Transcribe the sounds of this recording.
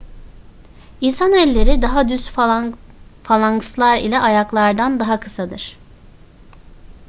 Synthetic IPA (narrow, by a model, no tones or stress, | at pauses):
insanɛlʲːe̞ɾid̪aɦad̪ys | falˠaŋkɯslˠaɾḭlʲɛʔajaklˠaɾd̪and̪aɦakʰɯ̥sad̪ɯɾ̥